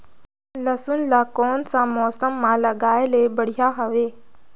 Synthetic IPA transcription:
lɐsunlaːkɔːnsãmɔːsəmːãːlɐɠaːeleːbɐɽ̤ijaɦɐʋeː

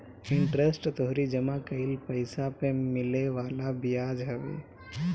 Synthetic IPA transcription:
ɪ̃ɳʈɾesʈt̪oɦɾid͡ʒəmakəɪlpəɪsapemɪleʋaːlabijad͡ʒɦəʋḛ

